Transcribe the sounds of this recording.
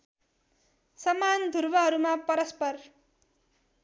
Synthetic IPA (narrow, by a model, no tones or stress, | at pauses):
sʌmand̪ʱurbʌɦʌɾumapʌɾʌspʌr